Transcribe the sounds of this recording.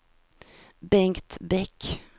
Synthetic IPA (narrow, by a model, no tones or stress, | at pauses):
bɛŋkt̪bɛk